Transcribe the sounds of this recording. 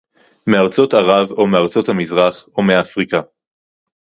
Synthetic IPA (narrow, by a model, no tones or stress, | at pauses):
meaʁt͡so̞t̪aʁavomeaʁt͡so̞thamizʁaχomeaːfʁika